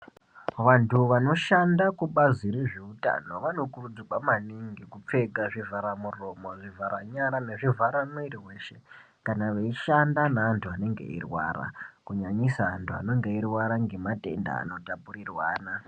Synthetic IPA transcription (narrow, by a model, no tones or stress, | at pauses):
ʋantʰuʋano̞ʃandakuɓaziɾeʐeuta̰no̞ʋano̞kurud͡zikwamaniŋɡikup͡fe̞ɡaʐivʱaɾamuromoʐivʱaɾaɲaɾane̞ʐivʱaɾanoiriwe̞ʃe̞ | kanaʋeiʃandanaːntʰuane̞ŋɡe̞̰ḭrwa̰ːra̰kuɲaɲisaːntʰua̰no̞ŋɡe̞irwaɾaŋɡe̞mate̞̰nda̰ːno̞tapurirwaːna